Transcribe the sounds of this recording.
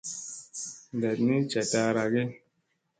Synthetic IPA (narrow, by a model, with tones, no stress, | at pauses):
n˨dɛ˨tni˦t͡ʃa˨ta˦ɾa˨ɡe˦